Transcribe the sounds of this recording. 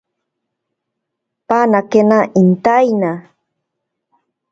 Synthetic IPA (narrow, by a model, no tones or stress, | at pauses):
panakenaʔint̪ajna